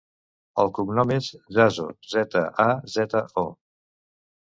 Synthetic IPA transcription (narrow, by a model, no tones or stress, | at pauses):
ə̰lˠkuɡnɔmezʒazo̰zɛt̪ə̰ʔazɛt̪əɔ